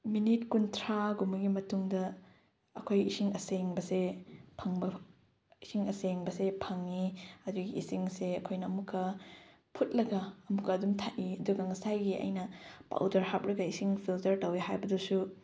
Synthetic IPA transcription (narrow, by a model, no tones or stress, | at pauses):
minit̚kuntʰɾaɡumɐɡimɐtuŋdɐ | ɐkʰojisiŋɐseŋbɐsepʰɐŋbɐ | isiŋɐseŋbɐsepʰɐŋiɐduɡiːsiŋseɐkʰojnɐɐmukʰːɐ | pʰut̚lɐɡɐːmukʰːɐːdumtʰaʔiɐduɡɐŋɐsajɡiɐ̰jnɐpa̰wdɐɾhap̚ɾɐɡɐisiŋpʰiltɐɾtawehajbɐdusu